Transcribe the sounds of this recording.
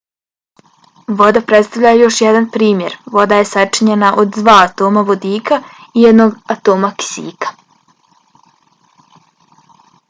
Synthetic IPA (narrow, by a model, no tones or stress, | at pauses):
ʋo̞d̪apɾet̪st̪aʋʎajejo̞ʃjed̪anpɾiːmje̞ɾʋo̞d̪aje̞sat͡ʂiɲe̞naʔo̞d̪d̪ʋaːt̪o̞ːmaʋo̞d̪iːkaijed̪no̞ɡat̪o̞ːmaki̥sḭːkḁ